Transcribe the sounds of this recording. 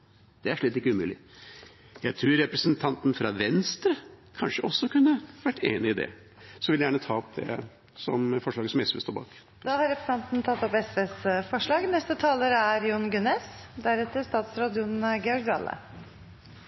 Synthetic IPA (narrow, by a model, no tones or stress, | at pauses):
d̪̥ɛæʂɭit̪ːɪkːəʉmʉːlɪ | jæɪt̪ʰɾʉːɾɾɛpɾəsənt̪ʰɑnt̪nfɾɑʋɛnst̪ɾəkʰɑnʂəʔɔsːɔkʉnːəʋæʈːḛːnɪɪd̪ɛ̰ | sɔʋɪljæːɳət̪ʰɑːɔp̚d̪ɛ̰ | sɔmfɔʂɭɑːɡəsɔmɛsʋɛst̪oːbɑ̰ːk | d̪ɑːhɑɾɛpɾəsɑnt̪nt̪ʰɑt̪ːɔpɛsʋɛsfɔʂɭɑːɡnɛst̪ət̪ʰɑːləɾæɾjunɡʉnes | d̪æɾɛt̪ːəɾst̪ɑːt̪sɾɑːd̪ɪʊnɡɛɔɾɡd̪ɑ̰lːə̰